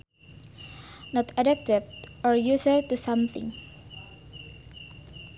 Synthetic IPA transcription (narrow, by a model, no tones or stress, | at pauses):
nɔtʰadɛp̚tɪvɔɹjusətusãmθɪ̰̃ŋ